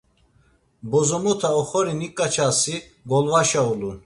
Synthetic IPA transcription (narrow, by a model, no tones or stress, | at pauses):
bɔzɔmɔt̪ʰaɔχɔɾinikʼːat͡ʃʰasi | ɡɔlvaʃaulun